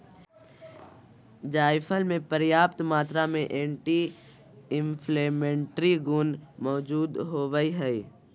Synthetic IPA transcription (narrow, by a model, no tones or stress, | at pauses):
d͡ʒaːɪpʰəlmẽpəɾjaːp̚t̪maːt̪ɾamẽʔẽːɳʈi | ɪ̃mpʰleːmẽːɳʈɾiɡuːnmɔːd͡ʒuːd̪ɦoːʋəiɦɛi